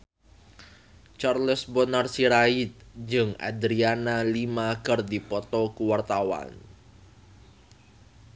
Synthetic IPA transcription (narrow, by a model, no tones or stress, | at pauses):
t͡ʃarləsbɔnarsiɾait̪̚d͡ʒɨŋa̰d̪ɾianalimakərdipɔt̪ɔkuwart̪awa̰n